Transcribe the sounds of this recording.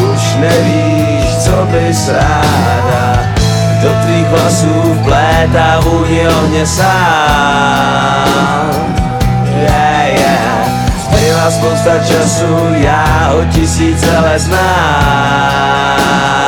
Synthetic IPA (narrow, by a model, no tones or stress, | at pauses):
uʃnɛviː | ʃt͡sɔbɪsɾaː | d̪a | ɡd̪ɔt̪ɾiːɣɦlasuː | blɛːt̪avuɲɛɔɲɛsaː | jɛ | jɛ | t̪ɾɪlaspɔwst̪at͡ʃasu | jaː | ɦɔcɪsiːt͡sɛlɛznaː